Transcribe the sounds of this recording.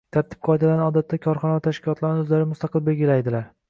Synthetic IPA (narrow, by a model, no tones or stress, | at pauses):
t̪ʰaɾt̪ʰɪ̥p̚qʰɒjd̪alanɒd̪at̪ːakʰɒɾχɒnavat̪ʰaʃkʲʰɪlˠɒt̪ʰlaɾnɪɵzlaɾɪmʊst̪ʰɑqɨlˠbe̞lɡʲɪlajd̪ɪlaɾ